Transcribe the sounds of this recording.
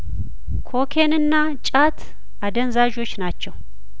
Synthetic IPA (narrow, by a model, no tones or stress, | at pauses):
kʰo̞kʰenɨnːa | t͡ʃʼat̪ʰ | ad̪ənzaʒo̞t͡ʃːnat͡ʃːɛw